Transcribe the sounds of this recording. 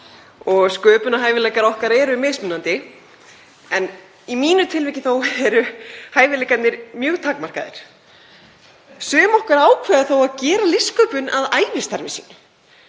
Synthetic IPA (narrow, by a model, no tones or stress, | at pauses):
ɔɣskœːpʏnaɦaːjvɪlejkaɾɔhkaɾɛːɾʏmɪðsmʏnːant̪ɪ | ɛn | imiːnʏt̪ʰɪlvɛːcɪθowɛɾʏhaːjvɪlejkat̪nɪɾmjœːɣt̪ʰaːkmar̥kaðɪ̰ɾ̥ | sœːmɔhkaɾaːwkʰvɛðaθowaðcɛːɾalɪskœːpʏnaðaːjvɪst̪aɾmɪsḭːnʏ